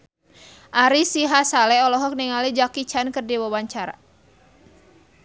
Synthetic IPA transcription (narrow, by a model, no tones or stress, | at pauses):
ʔaɾisiɦasalɛɔlɔɦɔk̚niŋalid͡ʒakit͡ʃankərdiwawaɲt͡ʃaɾa̰